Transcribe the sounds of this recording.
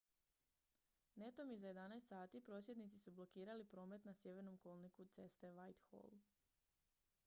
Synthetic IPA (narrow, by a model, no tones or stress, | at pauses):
ne̞t̪o̞mizaje̞d̪anajst̪saːt̪ipɾo̞sje̞d̪nit̪sisublo̞kiːɾalipɾo̞ːme̞t̪nasje̞ʋe̞ɾno̞mko̞lˠnikut̪se̞st̪e̞ʋajt̪xo̰l